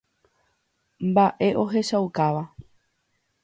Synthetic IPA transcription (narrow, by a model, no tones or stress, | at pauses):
mbaʔe̞ʔo̞ɦe̞ʃawkaʋa